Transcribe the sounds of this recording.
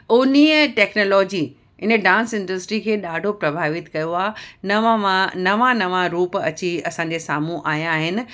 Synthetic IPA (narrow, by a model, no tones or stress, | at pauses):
oːniːəʈɛːknoːlɔːd͡ʑi | ɪnəɖãːnsɪ̃ɳɖəsʈɾikʰeːɗaːɖʱopɾɐbʱaːʋɪt̪kɐjoaːnɐʋaʋãnɐʋãnɐʋãɾuːpɐ̰t͡ɕiɐsãɲ̆d͡ʑesaːmũʔaːjãːɦɪnɪ̆